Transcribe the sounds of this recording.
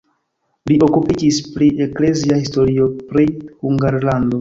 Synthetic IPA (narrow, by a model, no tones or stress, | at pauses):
lio̞kupid͡ʒispɾiʔe̞kle̞ziahis̬to̞ɾio̞pɾihuŋɡaɾlando̞